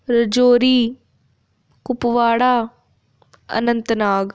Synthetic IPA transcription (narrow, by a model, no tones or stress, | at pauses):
ɾəd͡ʒoːɾiː | kʊpʋaːɽaː | ə̰nənt̪naːɡ